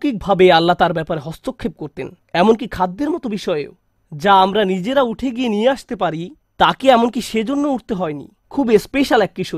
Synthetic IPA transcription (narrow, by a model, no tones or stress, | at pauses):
kik̚bʱabealːat̪aɾbɛpaɾeɦɔst̪okʰːep̚koɾt̪ḛn | ɛmonkikʰad̪ːeɾmɔt̪obiʃɔeo̰ | d͡ʑaamɾanid͡ʑeɾauʈʰeɡienieaʃt̪epaɾi | t̪akeɛmonkiʃed͡ʑonːouʈt̪eɦɔenḭ | kʰubespeʃalɛk̚ːiʃo